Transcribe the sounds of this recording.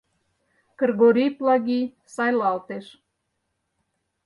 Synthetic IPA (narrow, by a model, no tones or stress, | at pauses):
kərɣoɾʲiplɑɣi | sɑjlɑlt̪eʃ